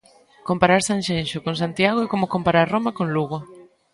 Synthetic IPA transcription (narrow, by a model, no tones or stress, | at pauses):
kompaɾaɾsãnʃẽnʃʊkõŋs̬ant̪jaɣoekomokompaɾaɾromakoŋluɣo